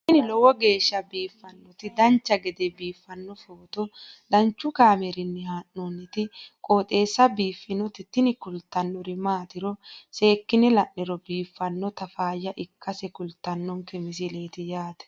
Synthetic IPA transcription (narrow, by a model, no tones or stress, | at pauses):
ɪnɪlɔwɔɡe̞ːʃːɐbiːfːɐnːɔt̪ɪd̪ɐnt͡ʃːɐɡɛd̪ɛbiːfːɐnːɔfoːt̪ɔd̪ɐnt͡ʃːʊkaːmɛɾɪnːɪhaːnːonːɪt̪ɪkʼo̞ːt̪ʼe̞ːsːɐbiːfːɪnɔt̪ɪt̪ːɪnɪkʊlt̪ːɐnːɔɾɪmaːt̪ɪɾɔse̞ːkːɪnɪlɐnːɪɾɔbiːfːɐnːɔt̪ɐfaːjɐʔɪkːɐsɛkʊlt̪ːɐnːɔŋkɛmɪs̬ɪle̞ːt̪ɪjaːt̪ɛ̥